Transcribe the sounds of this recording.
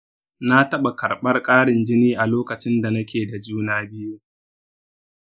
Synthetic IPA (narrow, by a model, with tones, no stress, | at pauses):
na˦tɐ˦ɓa˨kɐ˨rɓɐ˦rkʼaː˦ɽɪ˨nd͡ʒɪ˦niː˦ʔa˨loː˦kɐ˨t͡ʃɪ˦nda˨nɐ˦kʲeː˨da˨d͡ʒuː˦naː˦bɪ˦ju˦